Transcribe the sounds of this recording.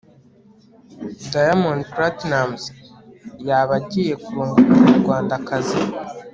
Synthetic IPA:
dajamonpɾatnamz | jaːβaɟije̞kuɾoːŋɡuɾamuɾɡwaːndakazi

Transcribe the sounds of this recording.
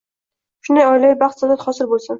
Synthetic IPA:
ʃʊnd̪ajɒjlajɪbɑχt̪zɑnat̪χɒsɪɾbolˠsan

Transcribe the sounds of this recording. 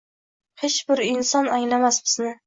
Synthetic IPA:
het͡ʃbɪɾɪnsɒnaŋlamasbɪznɪ

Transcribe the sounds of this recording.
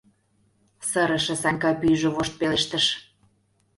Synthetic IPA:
sə̆ɾə̆ʃĕsɑŋkɑpyʒĕβoʃt̪̚peleʃt̪ə̆ʃ

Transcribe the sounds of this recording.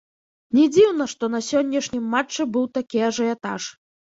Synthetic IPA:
nʲɛd͡zʲiwnɐʂt̪ɔnɐsʲɔnʲːɐʂnʲimːat͡ʂːɨbɨwt̪akʲijɐʐɐɛt̪a̰ʂ

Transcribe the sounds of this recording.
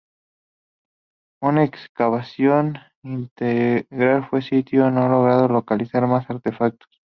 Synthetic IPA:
unaekskaβasjo̞n | int̪eɣɾalfwe̞sit̪jonoalo̞ɣ̞ɾaðo̞lo̞kalisaɾmasaɾt̪e̞fak̚t̪o̥s

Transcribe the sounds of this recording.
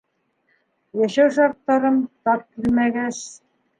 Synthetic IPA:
jæʃæwʃɑɾt̪ːɑɾɤmt̪ɑp̚kilmæɡæs

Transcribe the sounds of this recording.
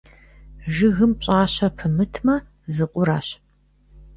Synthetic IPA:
ʒɨɣɨmpɕʼaːɕɐpʰɨmɨtʰmɐ | zɨqʷʼʊɾaːɕ

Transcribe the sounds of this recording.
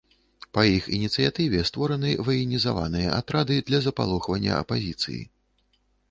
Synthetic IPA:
pɐjixinʲit̪sɨjat̪ɨvʲɛst̪vɔɾɐnɨvɐjinʲizava̰nɨjɐ̰ʔa̰t̪ɾad̪ɨd̪lʲɐzɐpa̰lˠuxvɐnʲːɐ̰ɐ̰pazʲit̪sɨ̰jḭ

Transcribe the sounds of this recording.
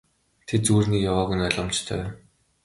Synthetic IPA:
t̪ʰet̪̚t͡suːrniːkjawaːɣunɔɮɞ̆mt͡ɕt̪ʰœ̰ː

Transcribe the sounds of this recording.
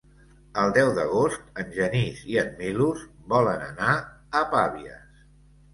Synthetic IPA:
əlˠd̪ɛwðəɣ̞ost̪ənʲʒəniziəmːiluzβɔlənəna | əpaβiə̰s

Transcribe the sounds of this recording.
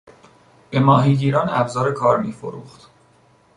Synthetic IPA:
b̥e̞mɒːɦiːɟiːɾɒːnæbzɒːɾe̞kʰɒːɾmiːfo̰ɾuːχt̪

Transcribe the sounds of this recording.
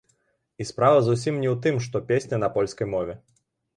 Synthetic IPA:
ispɾavɐzusʲimnʲɛwt̪ɨmʂt̪ɔpʲesʲnʲɐnɐpɔlʲskɐjmɔvʲɛ

